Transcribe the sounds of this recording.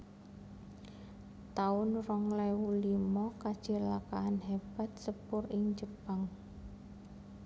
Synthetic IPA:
t̪aʊnrɔŋlɛwulimɔkad̥ʒ̥ə̤lakaʔanɦeb̥a̤t̪̚səbʊrɪŋd͡ʒəpaŋ

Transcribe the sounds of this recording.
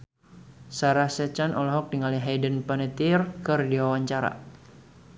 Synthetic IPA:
saɾahsɛt͡ʃanɔlɔɦɔk̚diŋaliɦajdənpənət̪irkərdiwawaɲt͡ʃaɾa̰

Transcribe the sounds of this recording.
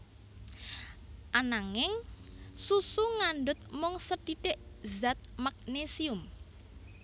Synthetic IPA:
ʔanaŋɪŋsusuŋaɳɖʊt̪̚mʊŋsəɖ̥iɖ̥eʔzat̪̚mak̚nesiʊm

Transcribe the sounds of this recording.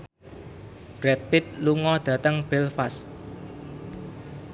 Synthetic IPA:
b̥ɾɛt̪̚pɪt̪̚luŋɔd̪̥ä̤t̪əŋb̥ɛlfast̪̚

